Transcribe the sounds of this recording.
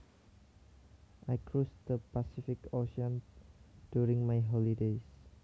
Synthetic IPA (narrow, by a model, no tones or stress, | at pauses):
ʔajkɹusd̪̥əpasifɪkoʃɔ̃nd̥juɹĩŋmajɦɔlides